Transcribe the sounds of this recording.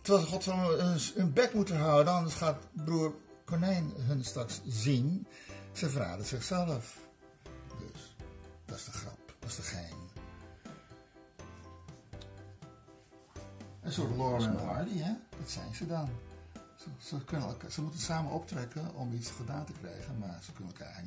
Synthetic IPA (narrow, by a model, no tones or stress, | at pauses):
təɑlˠsəxɔtsonənbɛkmutəɦœwədəɔndəsχaːtbruərkɔnɛjnɦənstakszinsəfəra̰ːdəz̥ɪxsɛləf | dø̰sd̥ɔsdəxrɔ̰pd̥ɔsdəχeːn | ɛnsovəloːrənənəɦɔɹdiɛʋɑtsɛ̰jnzədɑn | əsəkønən̰lkasəmutənsaːmənɔp̚trɛkənɔmisχədaːntəkrɛ̰jɣənmaɹsəkønənɛlˠkʰa̰